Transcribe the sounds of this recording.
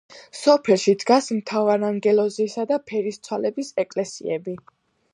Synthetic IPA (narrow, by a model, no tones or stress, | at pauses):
sɔpʰɛlˠʃid̪ɡasmt̪ʰavaɾaŋɡɛlɔziːsad̪apʰɛɾist̪sʰwalɛbisɛkʼlɛsḭɛbi